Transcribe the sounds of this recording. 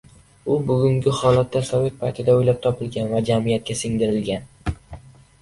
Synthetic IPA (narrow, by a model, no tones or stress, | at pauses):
ʊbʊɡʲʊŋɡʲɪhɒlat̪ːasove̞t̪̚pʰajt̪ʰɪd̪aojlap̚t̪ʰɒpʰɪlɡʲanvad͡ʒamijat̪̚kʲasɪŋd̪ɪɾɪlɡʲan